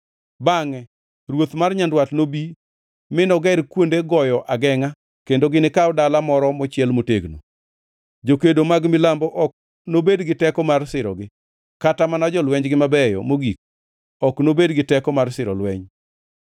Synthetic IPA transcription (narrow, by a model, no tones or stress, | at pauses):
baŋɛ | rwot̪marɲandwatnobi | mɪnɔɡɛɾkwondeɡɔjɔʔaɡɛŋa | kendoɡɪnɪkaɔdalamɔɾɔmɔt͡ʃjɛlmoteɡno̰ | d͡ʒokedomaɡmɪlambɔʔɔk̚ | nobedɡɪtɛkɔmarsɪɾɔ̰ɡɪ | katamanad͡ʒɔlwɛɲd͡ʒɡɪmabɛjɔ̰moɡik̚ | ɔknobedɡɪtɛkɔmarsɪɾɔ̰lwɛɲ